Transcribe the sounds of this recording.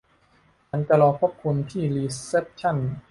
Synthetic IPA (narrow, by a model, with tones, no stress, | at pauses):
t͡ɕʰa˦˥nt͡ɕa˧lɔː˧kʰo˦˥˩p̚kʰu˧nt̪ʰiː˥˩liː˧se˦˥p̚t͡ɕʰa˥˩n